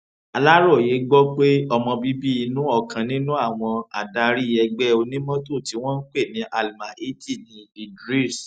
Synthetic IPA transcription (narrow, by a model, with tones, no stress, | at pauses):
a˧la˦ɾɔ˦˨je˨˦ɡ͡bɔ˦k͡pe˦ɔ˧mɔ̃˧bi˦bi˦i˧nũ˦ɔ˦˨kã˨nĩ˦nũ˦a˦˨w̃ɔ̃˧a̰˨da˧ɾi˦˨ɛ˧ɡ͡bɛ˦o˧nĩ˦mɔ̃˦to˦˨ti˨˦w̃ɔ̃˦n̩˦k͡pe˦˨nĩ˨˦ʔa˨lma˨ʔe˦ti˦˨nĩ˧li˨dɾi˦˨s